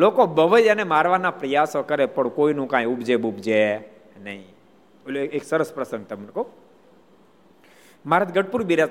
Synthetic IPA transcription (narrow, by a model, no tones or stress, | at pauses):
lokobəʋəjənemaɾʋanapɾəjasokəɾepəɳkoinũkãjubd͡ʒebubd͡ʒe | nəɦĩ | eksəɾəspɾəsə̃ŋɡ̚t̪əmnk | maɾət̪ʰɡəʈ̚puɾbiɾa